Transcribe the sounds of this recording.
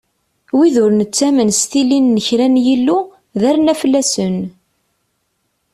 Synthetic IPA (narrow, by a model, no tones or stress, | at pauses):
wiðʊɾnət͡sːæmənst̪ilːinːəçɾænjilːu | ðæɾnæfəlːæsən